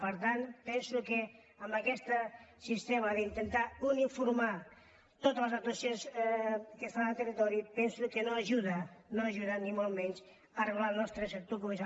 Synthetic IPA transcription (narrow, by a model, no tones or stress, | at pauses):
pəɾt̪anpɛnsuke | əmbəkɛst̪əsist̪emaðint̪ent̪aunifuɾma | t̪ot̪ələzat̪wasionskest̪anəlˠt̪ərit̪ɔɾipɛnsukenoaʒuðanoaʒuðanimolˠmɛɲt͡ʃ | əreβlalˠnɔst̪ɾəsek̚t̪okumesa